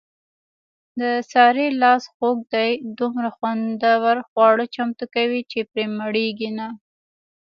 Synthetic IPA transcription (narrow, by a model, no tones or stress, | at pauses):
d̪əsɑɾelɑsxoɡ̚d̪ajd̪umɾaxwand̪awaɾxwɑɽət͡ʃamt̪ukawit͡ʃepɾeməɽeɡina